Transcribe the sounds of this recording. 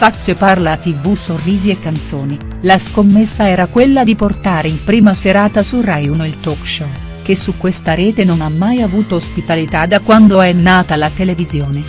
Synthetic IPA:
fat̪sːjoparlat̪ivusorːiːziekːant̪soːni | laskomːesːaɛːɾakwelːad̪iport̪aːɾeimpɾiːmaseɾaːt̪asurajunoilt̪ɔkʃɔ | k̟esːukːwest̪aɾɛːt̪enonamːajavuːt̪oospit̪alit̪ad̪ːakwand̪oɛnːaːt̪alat̪elevizjoːne

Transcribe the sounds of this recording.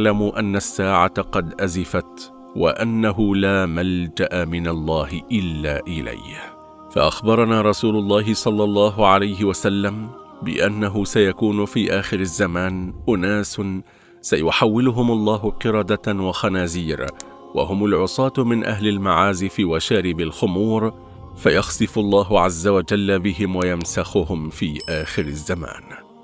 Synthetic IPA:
lamʊʔanːasːaːʕaqɑd̪ʔazɪfat̪ | wa̰ʔanːaɦʊlaːmald͡ʒaʔamɪnalˤːɑːhɪʔɪlːa̰ːʔɪla̰j | fa̰ʔaxbɑɾˤɑnaːɾˤɑsuːlʊlˤːɑːɦɪsˤɑlːɑlˤːɑːɦʊʕalajɦɪwasalːam | bɪ̰ʔanːaɦʊsajakuːnʊfiːʔaːxɪɾazːamaːnʔʊnaːs | sajʊħawːɪlʊɦʊmɑlˤːɑːɦʊqɨɾˤɑd̪awaxanaːziːɾ | wa̰ɦʊmalʕʊsˤɑːt̪mɪnʔa̰ɦlalmaʕaːzɪfiːwaʃaːɾɪbɪlxʊmuːɾ | fajɑxsˤɨfʊlˤːɑːɦʊʕazːawad͡ʒalːabɪɦɪmwajamsaxʊhʊmfiːʔaːxɪɾazːama̰ːn

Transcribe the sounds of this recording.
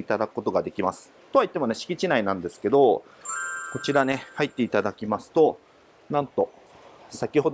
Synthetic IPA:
it̪ad̪akɯ̥kːo̞t̪o̞ɡad̪e̞kʲimasɨ̥ | t̪o̞βait̪ːe̞mo̞ne̞ɕi̥kʲit͡ɕinainãnd̪e̞sɨ̥ke̞d̪o̞ | ko̞t͡ɕiɾane̞hait̪ːe̞it̪ad̪akʲimasɨ̥t̪o̞ | nãnt̪o̞ | sakʲiho̞d̪

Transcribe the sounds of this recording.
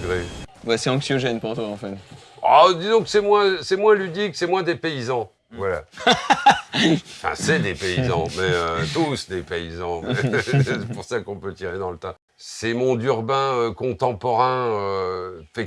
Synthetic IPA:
ɡʁewɛsɛɑ̃ksjɔʒɛnpuʁt̪waɑ̃fɛt̪ | a̰d̪izɔ̃kə̥sɛmwɛ̃sɛmwɛ̃lyd̪iksɛmwɛ̃d̪epeizɑ̃ | vwala̰ | fɛ̰̃sɛd̪epeizɑ̃mɛøt̪usd̪epeizɑ̃mɛsɛpuʁsakɔ̃pøt̪iʁed̪ɑ̃lət̪ã | sɛmɔ̃d̪yʁbɛ̃økɔ̃t̪ɑ̃pɔʁɛ̃øfɛ

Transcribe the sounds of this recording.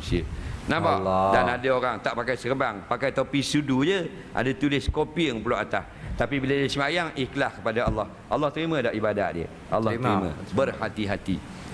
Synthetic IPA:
siə̰nãbaʔdanadəoɾaŋt̪aʔpakajsəkəbaŋpakajt̪opisudud͡ʒə | ʔa̰dat̪ulɪskopiəŋpuloʔat̪as | t̪apibilədəsəmajaŋihkəlahkəpadaalːɑh | ʔalːaht̪əɾimə̃daʔibada̰t̪̚diə̰ | ʔa̰lːɑt̪ɾimã̰bərhat̪iɦat̪ḭ

